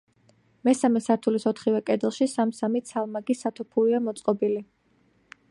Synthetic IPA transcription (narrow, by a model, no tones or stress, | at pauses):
mɛsamɛsaɾt̪ʰulisɔt̪ʰχivɛkʼɛd̪ɛlˠʃisamsamit̪sʰalˠmaɡisat̪ʰupʰuliamɔt̪sʼqʼɔbili